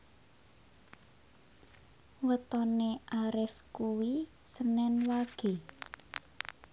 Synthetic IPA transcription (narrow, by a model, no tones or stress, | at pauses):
wət̪ɔneʔaɾɪfkuwi | sənɛnwaɡ̥e̤